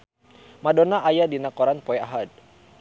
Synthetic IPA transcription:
madonaʔajadinakɔɾanpɔɛaɦad̚

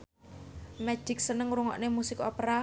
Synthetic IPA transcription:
mɛ̥d͡ʒ̥ɪ̤k̚sənəŋɾuŋɔ̰ʔnemusɪkopɾa

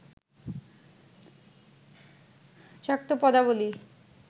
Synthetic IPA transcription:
ʃak̚t̪opɔd̪aβoli

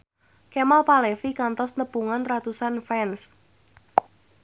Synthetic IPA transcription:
kemalpalɛfikant̪ɔsnəpuŋanrat̪usanfɛns

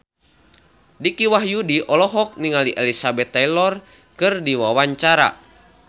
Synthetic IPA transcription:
dikiwaɦjudiʔɔlɔɦɔk̚niŋaliʔelisabɛt̪ːalɔr | kɨrdiwawaɲt͡ʃaɾa̰

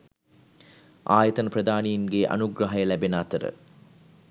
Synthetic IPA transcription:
ʔaːjət̪ənəprɐd̪aːnijinɡeʔa̰nuɡɾaɦɐjəlæbenat̪əɾə̰

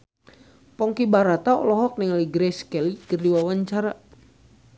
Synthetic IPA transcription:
pɔŋkibaɾat̪aɔ̰lɔɦɔk̚niŋaliɡɾɛskɛlikərdiwawaɲt͡ʃaɾa

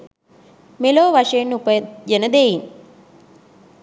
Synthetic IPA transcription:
meloːʋaʂəjenːupəjənəd̪ejin

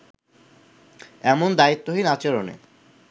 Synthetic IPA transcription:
ɛmond̪ait̪ːoɦinat͡ɕeɾonḛ

